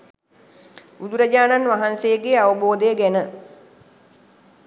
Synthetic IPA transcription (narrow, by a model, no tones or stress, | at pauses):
ud̪uɾɐd͡ʒaːnanʋaɦansejəɡeaʋəboːd̪əjəɡænə